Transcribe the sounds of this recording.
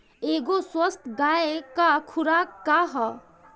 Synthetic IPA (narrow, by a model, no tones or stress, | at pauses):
eɡoswəst̪ʰɡaekakʰuɾakkːaɦɔ